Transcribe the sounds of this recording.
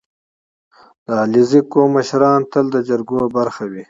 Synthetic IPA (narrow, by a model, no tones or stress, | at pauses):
d̪̥əalizikomːəʃɾɑːnt̪əld̪əd͡ʒaɾɡobaɾxawi